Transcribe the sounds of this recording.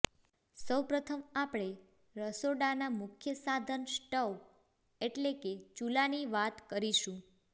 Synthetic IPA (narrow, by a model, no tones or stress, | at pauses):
səwpɾət̪ʰəmapɽ̃e | ɾəsoɽanamʊkʰjəsad̪ʱənsʈəw | eʈleket͡ʃulaniʋat̪kəɾiʃũ